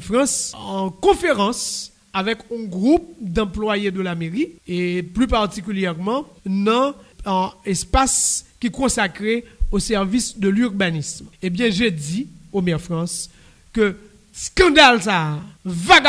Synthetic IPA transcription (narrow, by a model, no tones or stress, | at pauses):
fʁɑ̃sɑ̃kɔ̃feʁɑ̃s | avɛkɔ̃ɡʁup̚d̪ɑ̃plwajed̪əlameʁieplypaʁt̪ikyljɛʁmɑ̃nɑ̃ | espaskʲikɔ̃sakʁeosɛʁvisd̪əlyʁbanismebjɛ̃ʒediomɛʁfʁɑ̃s | kø | skɑ̃d̪alsavaɡ